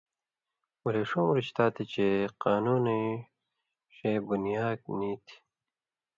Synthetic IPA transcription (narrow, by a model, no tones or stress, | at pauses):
wɐleʂumɾit͡ɕt̪aːt̪it͡ɕeqaːnuːni | ɕebunijaːɡ̚niːt̪ʰi̥